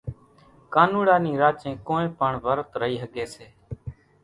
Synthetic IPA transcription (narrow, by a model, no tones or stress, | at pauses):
kaːnũːɽaːnĩːɾaːt͡ʃẽːkoːnẽːpəɳʋəɾt̪ɾəiːɦəɡeːseː